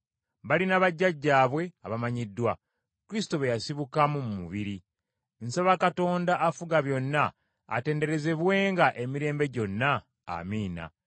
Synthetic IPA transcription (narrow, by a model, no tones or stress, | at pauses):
βalinaβaɟːaɟːaːβwe̞aβamaɲidːwa | kuɾistoβejasiβukamumumṵβiɾi | nsaβakato̞ːndaʔːfuɡaβjo̞nːa̰ː | te̞ːnde̞ɾe̞ze̞βwe̞ːŋɡaʔe̞miɾe̞ːmbe̞ɟo̞nːa̰ː | miːna̰